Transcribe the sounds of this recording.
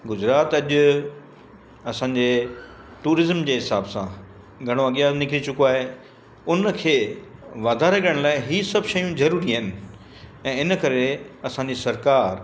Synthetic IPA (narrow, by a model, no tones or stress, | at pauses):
ɡʊzɾaːt̪ɐʄʊ | ɐsãːɲd͡ʑe | ʈuːɾɪzəmd͡ʑeːɦɪsaːbsã | ɡʱɐɽ̃oɐɠjãnɪkʰɪlit͡ɕʊkoaːɦe | ʊnkʰeːʋaːd̪ʱaɾɐkəɽ̃laːɪɦisɐbʃɐjũzɐɾuːɾiɦɪnɪ̆ | ɛ̃ːɪnəkɐɾeɐsãːɲd͡ʑisɐɾkaːɾ